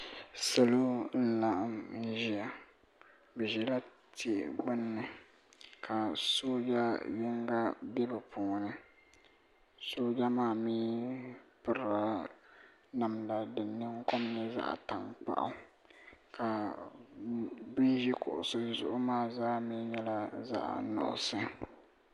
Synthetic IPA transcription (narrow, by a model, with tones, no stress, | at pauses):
sa˨lo˦n̩˦la˦ʔmn˦ʒi˦a˨ | bɛ˨ʒi˨la˦ | te˦˨ɡ͡bɨ˦nːɨ˨ | kʰa˨soː˦d͡ʒa˦jɪ˦ŋɡa˦bɛ˦bɨ˨pʰuː˨nɨ˦ | soː˦d͡ʒa˦maː˦˨miː˦ | pɨ˨ɾa˦ | na˨mla˨dɨ˨nːɨ˦ŋ˦ko˦m˦nɨ˦za̰˦ʔta˨ŋk͡pa̰˦˨ʔa̰˦ | ka˨ | bi˦ʒi˦kʊ̰˨ʔʊ̰˨sɨ˦zʊ̰˨ʔʊ˦maː˦zaː˦miː˦ɲɛ˦la˦za̰˦ʔnʊ̰˨ʔʊ̰˨sɨ˦